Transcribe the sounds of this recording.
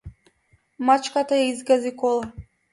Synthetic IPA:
mat͡ʃkat̪ajaizɡazikɔlˠa

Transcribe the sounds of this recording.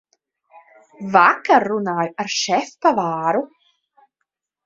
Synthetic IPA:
vakərːunajəɾʃɛfpavaːɾu

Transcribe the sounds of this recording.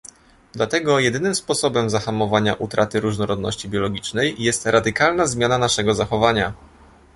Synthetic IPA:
d̪lat̪ɛɡɔjɛd̪ɘnɘmspɔsɔbɛmzaxamɔvaɲa̰ʔut̪ɾʔat̪ɘɾuʐnɔɾɔd̪nɔ̰ɕt͡ɕibʲjɔlɔɡʲit͡ʂnɛjjɛst̪ɾad̪ɘkalnazmʲjananaʂɛɡɔzaxɔvaɲa

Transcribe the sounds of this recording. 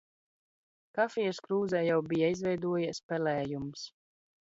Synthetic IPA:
kafijɛskɾuːzɛːjawbijaizvɛjd̪uɔjispɛlɛːjums

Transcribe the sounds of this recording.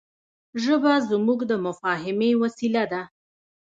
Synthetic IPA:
ʒəbazmuɡd̪əmʊfɑɦɪmewasilad̪a

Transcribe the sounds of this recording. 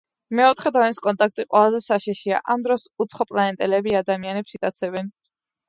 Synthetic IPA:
mɛɔt̪ʰχɛd̪ɔɛniskʼɔnt̪ʼak̚ʰt̪ʼiqʼwɛlˠazɛsaʃɛʃia̰ʔamd̪ɾɔsut̪sʰχɔpʼlaɛnt̪ʼɛlɛbiad̪amianɛpsit̪ʼat̪sʰɛbɛn

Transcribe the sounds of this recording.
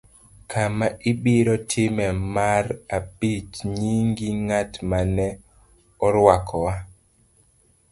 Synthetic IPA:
kʰamaʔibiɾɔtʰɪmɛmarabit͡ʃɲiŋɡiŋatmanɛ | ɔɾwakʰɔwa

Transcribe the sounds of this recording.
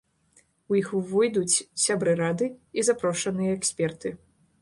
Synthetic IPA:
ujixvɨjd̪ut͡sʲsʲabɾɨɾad̪ɨizapɾɔʂɐnɨjɐɛksʲpʲɛrt̪ɨ

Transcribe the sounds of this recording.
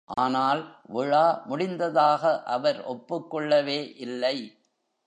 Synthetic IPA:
ʔaːnaːlʋɪɻaːmʊɽɪnd̪ɐðaːɣɐʔɐʋɐɾɔpːɯkːɔɭːɐʋeːʔɪlːɐɪ

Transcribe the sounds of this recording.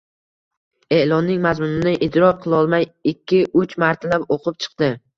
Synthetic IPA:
e̞lˠɒnːɪŋmazmʊnɪnɪʔɪd̪ɾɒqʰɨlˠɒlˠmajɪkʲʰːɪʔʊt͡ʃmaɾt̪ʰlapoqʰɨp̚t͡ʃʰɨ̥qd̪ɪ

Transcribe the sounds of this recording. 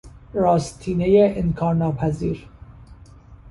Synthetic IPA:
ɾɒːst̪ʰiːnejeʔenkʰɒːɾnɒːpʰæziːɾ

